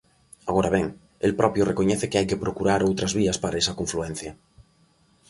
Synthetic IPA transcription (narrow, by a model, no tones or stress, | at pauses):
aɣ̞oɾaβ̞eŋ | elpɾʔɔpjorekoɲeθekeajkepɾokuɾaɾowt̪ɾazβ̞iaspaɾaesakoɱfluẽn̟θja